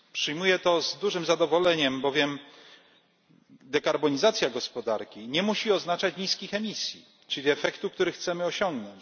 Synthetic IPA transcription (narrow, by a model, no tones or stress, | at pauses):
pʂɘjmujɛt̪ɔzd̪uʐɘmzad̪ɔvɔlɛɲɛmbɔvʲjɛm | d̪ɛkaɾbɔɲizat̪sʲjaɡɔspɔd̪aɾkʲiɲɛmuɕiɔznat͡ʂat͡ɕɲiskʲixɛmʲisʲji | t͡ʂɘlʲiɛfɛkt̪uk̚t̪uɾɘxt̪sɛmɘɔɕɔŋɡnɔɲt͡ɕ